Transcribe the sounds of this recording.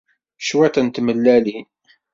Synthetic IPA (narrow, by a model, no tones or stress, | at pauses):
ʃwæt̪ænt̪ːməlːæli